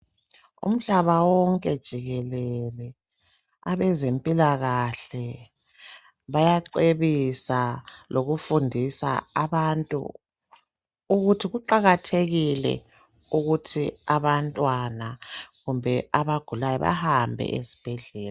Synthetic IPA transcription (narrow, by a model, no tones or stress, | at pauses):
ṵm̩ɮaβawɔŋkʼɛd̥ʒ̥ʱiɣɛlɛlɛ | aβɛzempʼilaɣaɬɛ | βajaǀeβisaloɣufundʱisa̰ːβantʼṵ | ɣutʰiɣuǃaɣatʰeɣilɛ̰ | uɣutʰiaβantʼwanaɣumbʱɛʔaβaɡ̥ʱulajɔβa̰hambʱɛ̰ʔḛzi̥b̥ʱɛɮɛːla